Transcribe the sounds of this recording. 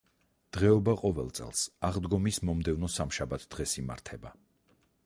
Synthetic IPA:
d̪̥ʁɛɔbaqʼɔvɛlˠt̪sʼɛ̰lˠsaʁd̪ɡɔmismɔmd̪ɛvnɔsamʃabat̪ʰd̪̥ʁɛsima̰ɾt̪ʰɛba

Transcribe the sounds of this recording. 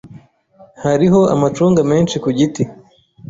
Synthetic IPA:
haɾiɦo̞a̰mat͡ʃuːŋɡame̞ːnʃikuɟiti

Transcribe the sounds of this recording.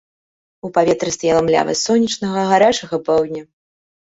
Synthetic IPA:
upavʲɛt̪ɾɨst̪ajɛlˠɐmlʲa̰vɐ̰sɔnʲːit͡ʂnɐɣɐɣaɾat͡ʂɐɣɐpɛwdʲnʲɐ

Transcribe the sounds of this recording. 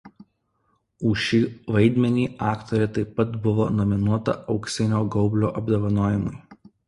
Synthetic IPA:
uːʃʲiːʋɐɪd̪ʲmʲɛnʲiːʔɑːkt̪ɔɾʲɛt̪ɐɪpːɐt̪bʊʋoːnɔmʲɪnuɔt̪ɐ̰ɒʊksʲɛnʲoːɡɒʊbʲlʲo̰ːʔɐbd̪ɐʋɐnoːjɪmʊɪ

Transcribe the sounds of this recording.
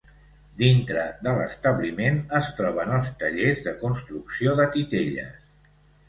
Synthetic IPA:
d̪int̪ɾəd̪ələst̪əβlimenəst̪ɾɔβənəlˠst̪əʎezðəkunst̪ɾuksioðət̪it̪eʎə̰s

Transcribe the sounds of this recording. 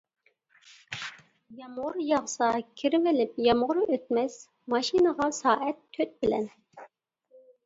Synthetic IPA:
jɑmʁʊɾjɑʁsɑkʲʰiɾɪvɪlɪpjɑmʁʊɾøt̪̚mɛs | mɑʃinəʁɑsɑːʔɛt̪ʰːøt̪̚bɪlɛ̰n

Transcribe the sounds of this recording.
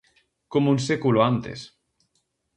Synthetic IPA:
komunsekuloant̪ḛs

